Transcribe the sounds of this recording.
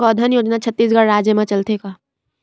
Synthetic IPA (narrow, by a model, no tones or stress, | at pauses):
kɔd̪ʱənjoːd͡ʒnat͡ʃʰət̪ːiːsɡəɽɾaːd͡ʒjəmẽt͡ʃɐlt̪ekaː